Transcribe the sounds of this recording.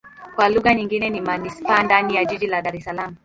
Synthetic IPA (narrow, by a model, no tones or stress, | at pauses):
kwaluɣaɲiŋɡinɛnimanispaːndanijaʄiʄilaɗaɾɛsalamu